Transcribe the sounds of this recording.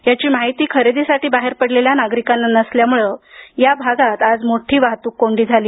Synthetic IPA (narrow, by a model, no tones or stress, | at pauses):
jat͡ɕiːmaɦit̪iːkʰəɾed̪isaʈiːbaɦeɾpəɽleljanaɡɾikanːnəsljamuɭəjabʱaɡat̪ad͡zmoʈʰiːʋaɦt̪uːkːoɳɖiːd͡zʱaliː